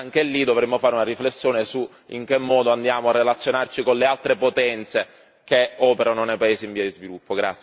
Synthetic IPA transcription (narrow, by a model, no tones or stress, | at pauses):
aŋk̟elːid̪ovɾemːofaːɾeunaɾiflesːjoːnesu | ḭŋk̟emːɔːd̪oand̪jaːmoarːelat̪sːjonart͡ʃikonlealt̪ɾepot̪ɛnt̪se | keɔːpeɾanonejpaeːziɱviad̪izvilupːoɡɾa̰t̪sj